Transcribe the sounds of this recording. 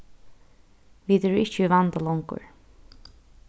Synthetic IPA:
viːt̪ɛɾɪt͡ʃivant̪alɔŋkʊ̰ɹ

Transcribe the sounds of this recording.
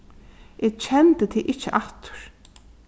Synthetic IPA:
ʔɪːɡt͡ɕʰɛnt̪ət̪ʰiʔɪht͡ʃːɪʔaht̪ʊ̥ɾ̥

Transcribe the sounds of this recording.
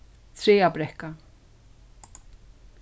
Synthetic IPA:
θʰɾeːabɾɛhka

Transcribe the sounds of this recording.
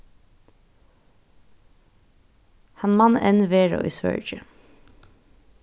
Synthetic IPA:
hɑnmɑnɛnʋeːɹo̰ːʔḭːsʋœ̰ɹd͡ʒə

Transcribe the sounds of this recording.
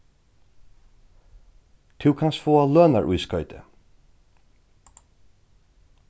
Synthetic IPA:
t̪ʰɪwkʰansfoːaløːnaɹʔujskœʏt̪ɪ̰

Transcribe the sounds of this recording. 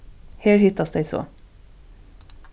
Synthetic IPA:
heːɾhʏt̪ɑsd̪æɪso̰ː

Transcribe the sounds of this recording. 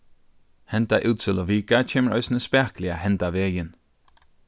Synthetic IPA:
hɛnt̪aʔʉːt̪sɪlɔʋiːkat͡ʃʰeːməɹʔœ̰ʏsnəspæːklɪahɛnt̪aʋeːjɪn

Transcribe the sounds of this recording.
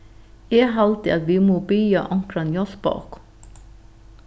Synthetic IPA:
eːɦɑlt̪ɪɑt̪ʋiːmoːbyjɑʔɑŋkɾɑnjɔsbɑ̰ːk

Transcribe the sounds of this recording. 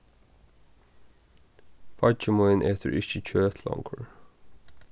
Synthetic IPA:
pʰɑt͡ʃəmɔːɪnʔeːt̪ʰə̰ɹɪçəc͡çʰøːt̪ʰlɔ̰ŋkʰəɹ

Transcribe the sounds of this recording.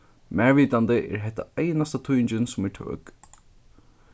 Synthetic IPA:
mæːɹʋiːt̪ant̪ɪʔɛ̰ɹɦɛht̪ːa̰ajnast̪at̪ʰujnt͡ʃɪnsʊmɛʈ̪ʰœ̰ːk

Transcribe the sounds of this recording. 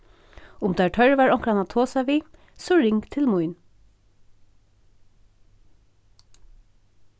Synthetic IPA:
ʊmd̪æːʈʰœɹʋɑːɹɔŋkɾɑnɑt̪ʰoːsɑʋiː | sɔɹɪŋɡt̪ʰɪlmʊʏn

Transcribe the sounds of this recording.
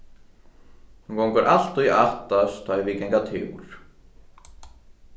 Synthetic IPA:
hũkɔwŋkəɾʔal̥t̪uaht̪ast̪ʰɔvicɛŋkat̪ʰɪ̰wɾ̥

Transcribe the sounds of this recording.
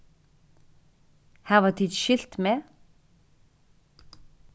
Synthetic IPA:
hæːʁʋɑt̪ʰiːd̪ʃɪlt̪meː

